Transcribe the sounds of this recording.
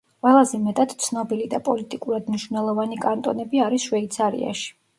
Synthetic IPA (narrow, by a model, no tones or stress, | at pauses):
qʼwɛlˠazɛmɛt̪ʼad̪̥t̪sʰnɔbilid̪apʼɔlit̪ʼikʼuɾad̪mniʃvnɛlˠɔvanikʼant̪ʼɔ̰nɛbiaɾisʃwɛit̪sʰaɾḭa̰ʃi̥